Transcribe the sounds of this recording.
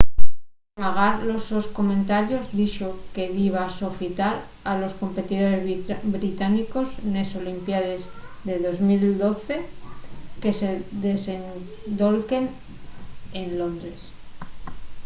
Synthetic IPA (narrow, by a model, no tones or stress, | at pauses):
paɣaɾlo̞sosko̞mẽnt̪aɾjo̞zðiʃoke̞ðiβ̞asofit̪aɾ | alo̞sko̞mpe̞t̪ið̞o̞ɾe̞zbɾit̪aniko̞zne̞so̞limpjaðe̞zðe̞ðo̞zmild̪o̞θe̞ | ke̞se̞ðe̞se̞n | d̪o̞lke̞n | e̞nlo̞nd̪ɾe̞s